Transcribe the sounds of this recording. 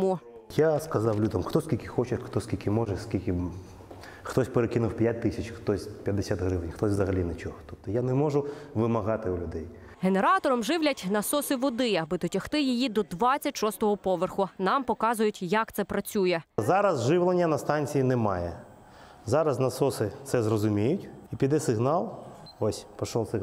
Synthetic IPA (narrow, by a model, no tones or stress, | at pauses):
mu | jaskɐzɑwlʲud̪ɐmxt̪ɔskʲilʲkʲɪxɔt͡ʃɪxt̪ɔskʲilʲkʲɪmɔʒɛskʲilʲkʲɪ | xt̪ɔsʲpeɾekɪnʊwpʲjat̚ʲt̪ɪsʲɐt͡ʃxt̪ɔsʲpʲjɐd̪ːɪsʲat̪ɦɾɪʋɪnʲxt̪ɔsʲʋzɐɦɐlʲinet͡ʃɔɦɔ̥t̪ɔp̚t̪ɔjanɛmɔʒʊʋɪmɐɦɑt̪ɪʊlʲʊd̪ɛj | ɦeneɾɑt̪ɔɾɔmʒɪwlʲɐtʲnɐsɔsɪʋɔd̪ɪɐbɪd̪ɔtʲɐxt̪ɪjijid̪ɔd̪ʋɑt͡sʲːɐtʲʃɔst̪ɔɦɔpɔʋerxʊnɑmpɔkɑzʊjʊtʲjɐkt̪sɛpɾɐt͡sʲujɛzɑɾɐzʒɪwlˠenʲːɐnɐst̪ɑnʲt͡sʲijinɛmɑjɛ | zɑɾɐznɐsɔsɪt̪sɛzrɔzʊmʲijʊtʲipʲid̪ɛsɪɦnɑlˠ | ɔsʲpɔʃɔlˠsɪ